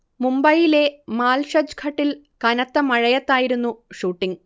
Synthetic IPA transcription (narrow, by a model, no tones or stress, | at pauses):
mumbɐjile̞maːlʂɐd͡ʑɡʰʱɐʈːil | kɐnɐt̪ːɐmɐɻɐjɐt̪ːaːjiɾunːuʂuːʈːiŋ